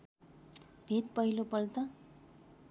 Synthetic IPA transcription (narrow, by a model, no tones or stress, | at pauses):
bʱet̪̚pʌɦilopʌlt̪ʌ